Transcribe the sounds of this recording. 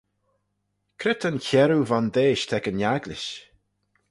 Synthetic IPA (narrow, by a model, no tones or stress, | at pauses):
kʰɾɪt̪ənçɛɾuvand̪eːʃt̪ʰɛkənjaɡlɪʃ